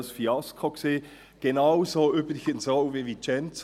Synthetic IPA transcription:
sfiɑskʰokseː | ɡ̥enaʊzoːyːbɾɪçənsoʊvivit͡ʃɛnt͡s

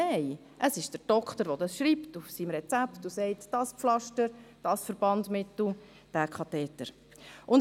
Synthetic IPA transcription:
ɛɪ | ʔəsɪʃd̥əɾd̥ɔkχtəɾʋɔdɑsʃɾiːptufsiːmɾɛt͡sæptusɛɪtd̥ɑspflɑʃtəɾd̥ɑsfəɾb̥ɑntmɪt̪l̩ | d̥æːkʰɑt̪ɛːtə̰ɾ | ʔʊn

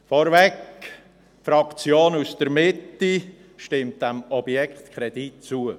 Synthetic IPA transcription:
fɔɾvɛk | fɾɑkt͡sjoːnusd̥əɾmɪtːi | ʃtɪmt̚d̥æmɔbjɛkχt̪kʰɾɛd̥itt͡suə

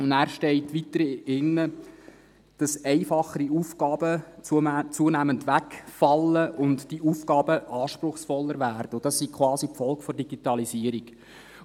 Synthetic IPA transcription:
ʊndæːɾʃtɛɪtʋitəɾɪnːə | d̥ɑsɛɪfɑχəɾiuːfɡ̥ɑːb̥ət͡sut͡suːənæːməntʋækfɑlːəʔʊntd̥iufɡɑːbəʔɑːʃprʊχsfɔlːəɾvæːrd̥əod̥ɑsːikʰʋɑːsipfɔlkfɔrdiɡitɑlisiəɾiɡ

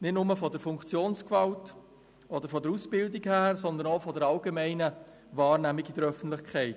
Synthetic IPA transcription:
nɪtnʊməfɔdəɾfʊŋkt͡sjoːnskvɑlt | ɔd̥̪əɾfɔd̪əɾusb̥ɪldikhæːɾsɔnd̪ənoʊfɔdəɾɑlɡemɛɪnə | vɑːɾnæmiɡɪdəɾœfən̩tlɪχkʰɛɪt

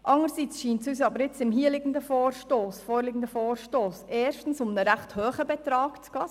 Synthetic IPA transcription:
ʔɑŋəɾsit͡sʃiːntsys̬ɑbəɾɪt͡sɪmɦiːəlɪɡən̩d̪əfoːɾʃtoːsfɔːɾlɪɡn̩d̪əfoːɾʃtoːsɛːɾʃtn̩sʊmnəɾæχthœːχəbɛt̪ɾɑːkt͡sɡ̥ɑː

